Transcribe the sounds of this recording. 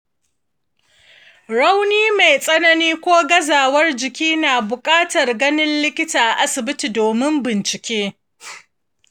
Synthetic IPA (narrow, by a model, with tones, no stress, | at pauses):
ɽa˦wniː˦me˨jsʼɐ˦nɐ˦niː˦kʷoː˦ɡɐ˦zaː˨wɐ˦rd͡ʒɪ˨kʲiː˦naː˨bʊ˨kʼaː˦tɐ˨rɡɐ˦nɪ˦nlɪ˦kʲɪ˦taː˨ʔa˨ʔa˦sɪ˨bɪ˦ti˨doː˨mɪ˦mbɪ˨nt͡ʃɪ˨kʲeː˦